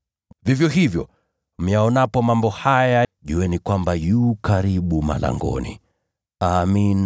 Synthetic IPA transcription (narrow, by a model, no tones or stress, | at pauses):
vivjɔɦivjɔ̰ | m̩jaɔnapɔmambɔhajaʄuɛnikwambajukaɾiɓuma̰la̰ŋɡɔ̰nḭ | amin